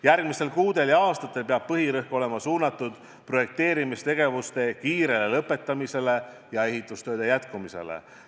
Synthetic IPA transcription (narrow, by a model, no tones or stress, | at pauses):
jærɡ̥mise̞lkuːd̪̥e̞ljɑɑːst̪ɑt̪ːˑe̞lpeɑb̥̚pɤɦiɾɤhko̞le̞mɑsuːnɑt̪ːˑud̪̥ | pro̞je̞k̚t̪e̞ːɾimist̪e̞ɡ̥e̞vust̪e̞kiːɾe̞lelɤpːe̞t̪ːˑɑmise̞le̞ | jɑe̞ɦit̪ːˑust̪ø̞ːd̪e̞jæt̪kumise̞̰lḛ